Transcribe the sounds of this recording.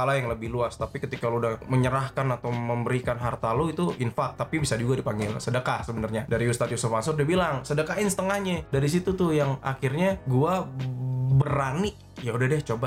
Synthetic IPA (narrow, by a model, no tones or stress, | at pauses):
alajaŋləbɪhluast̪apikət̪ikaloudahməɲəɾahkanat̪awməmbəɾikanɦart̪aloit̪uʔinfak̚t̪apibisad͡ʒuɡadipaŋɡɪlsədəkahsəbənarɲadaɾiust̪at̪̚jusufasʊrdibilaŋsədəkaɪnsə̥t̪əŋahɲadaɾis̬it̪ut̪ʊhjaŋa̰kirɲaɡua | bərani | jaudahdɛht͡ʃoba